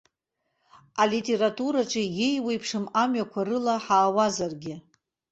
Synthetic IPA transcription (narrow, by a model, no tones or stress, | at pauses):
alitʼe̞ɾatʼuɾaʈ͡ʂʼijejwejpʰʂɨmamɥakʷʰarɨlaħaːwazarɡʲɪ